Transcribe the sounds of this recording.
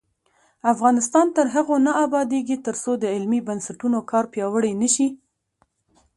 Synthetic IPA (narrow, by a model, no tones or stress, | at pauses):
afɣɑnɪst̪ɑnt̪əɾɦaɣonaabɑd̪eɡit̪əɾsod̪əɪlmibansaʈunokɑɾpjɑwəɽəjnəʃi